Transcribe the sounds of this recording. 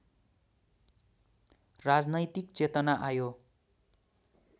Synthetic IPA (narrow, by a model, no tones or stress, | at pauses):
rad͡znʌjt̪ik̚t͡set̪ʌnaʔajo